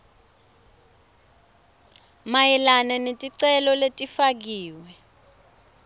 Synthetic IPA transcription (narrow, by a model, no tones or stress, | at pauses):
majɛlananetʼiǀɛlɔletʼifak̬iːwɛ